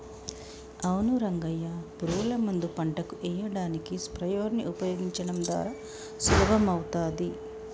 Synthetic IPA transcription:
ɐwnuɾɐŋɡɐjːɐbɾuːlɐmɐnd̪upɐɳʈɐkuʔɛːjɐɽaːnikispɾɐjoːɾniʔupɐjoːɡiɲt͡ʃɐɽɐmd̪ʋa̰ːɾaː | suɾɐbɐmɐwt̪aːd̪i

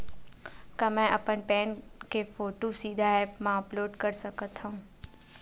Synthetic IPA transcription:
kɐmɛ̃ʔɐpənpɛːnkefoːʈosiːd̪ʱaɛːpmãɐploːɖkəɾsəkət̪ɦaũː

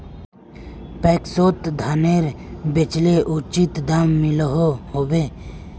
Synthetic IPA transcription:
pɛːksoːt̪d̪ʱaːneɾbet͡ʃleʔut͡ʃit̪d̪aːmːɪləɦoɦobeː

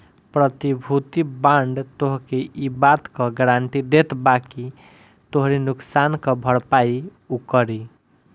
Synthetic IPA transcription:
pɾʌt̪ibʱut̪ibaɳɖt̪oɦkeʔibad̪kʌɡɾaɳʈid̪et̪baki | t̪oɦɾinuksankʌbʱʌɽpai | ukʌɾi

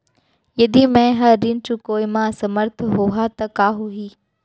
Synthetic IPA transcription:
jɐd̪imɛ̃ɦɐɾːɪnt͡ɕuːkoːimãsɐməɾt̪ʰɦuɦat̪ɐkaːɦuɦiː

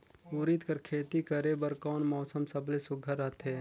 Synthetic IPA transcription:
uːɾit̪kɐɾkʰeːt̪ikɐɾebɐɾkɔːnmɔːsəmsɐblesʊɡʱəɾːəɦt̪ʰɦeː

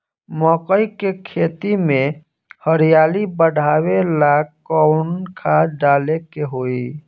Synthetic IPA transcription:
mɔkəikekʰeːt̪imẽ | həɾijaːlibəɖʱaːwela | ɔʊnkʰaɖaːlekeɦoi

